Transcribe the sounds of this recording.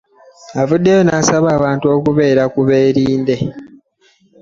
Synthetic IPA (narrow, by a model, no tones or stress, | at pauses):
avudːe̞jo̞nasaβaːβaːntuo̞ːkuβe̞ːɾakuβe̞ːɾiːnde̞